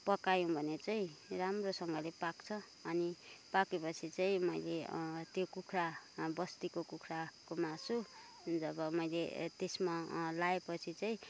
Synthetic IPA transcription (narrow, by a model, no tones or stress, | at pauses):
pʌkajõbʱʌnet͡saĩramrosʌŋɡʌlepakt͡sʰʌː | nipakepʌt͡sʰit͡saĩmʌjlet̪jokukʰrabʌst̪ikokukʰrakomasu | d͡zʌbʌmʌjlḛt̪esmalaepʌt͡sʰit͡saĩ